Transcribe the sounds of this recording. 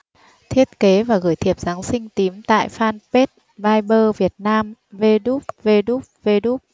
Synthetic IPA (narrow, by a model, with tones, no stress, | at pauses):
t̪ʰi˦˥ət̚ke˨˦vaː˨˩ɣɨː˧˩jt̪ʰi˨˩əp̚zaː˨˦ŋsï˧ŋ̟t̪i˨˦mt̪a̰ː˧˨jfaː˧npe˦˥t̚ | vaː˧jɓəː˧vi˨˩ət̚naː˧mve˧ɗu˦˥k͡p̚ve˧ɗu˦˥k͡p̚ve˧ɗu˦˥k͡p̚